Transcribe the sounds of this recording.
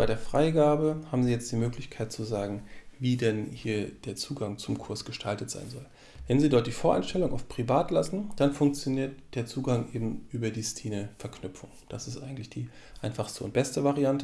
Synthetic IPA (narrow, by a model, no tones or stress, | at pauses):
b̥aɪɾeːɐfʁ̥aɪɡaːbəhaːbm̩ziːjɛt͡std̥iːmøːklɪçkʰaɪt̚t͡suzaːɡŋ̩viːdɛnhiːɐd̥eːɐt͡suːɡaŋt͡sʊmkʰʊɐsɡ̥əʃtʰaltətz̥a̰ɪnzɔl | vɛnziːdɔɐt̚d̥iːfoːɐʔaɪnʃtɛlʊŋʔɔftpʁ̥ivaːtlasn̩d̥anfʊŋkt͡sjoniːɐt̚d̥eːɐt͡suːɡaŋʔeːbm̩ʔyːbɐdiːstʰiːnəfɛɐknʏpp͡fʊŋd̥asɪstʔa̰ɪɡŋ̩tlɪçd̥iː | ʔaɪnfaχstəʊ̰nt̚b̥ɛstəvaʁiantə